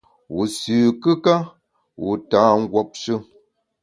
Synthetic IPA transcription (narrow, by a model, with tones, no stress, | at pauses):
wu˨sʉː˨kɨ˦ka˦ | wu˨taː˨˦ŋ̩˦ɡwɔ˨p̚ʃɨ˦